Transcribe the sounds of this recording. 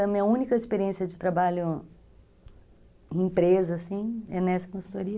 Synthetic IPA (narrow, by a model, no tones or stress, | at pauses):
ɐmĩɐũnikɐispeɾiẽsiɐd͡ʒɪt̪ɾabaʎʊ | ĩpɾezɐːsĩɛnɛsɐ̥kõsu̥t̪oɾiɐ